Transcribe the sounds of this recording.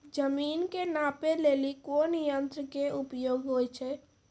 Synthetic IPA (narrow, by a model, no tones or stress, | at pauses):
d͡ʒəminkenapelelikonjənt̪ɾkeupjoɡɦojt͡ʃʰɛ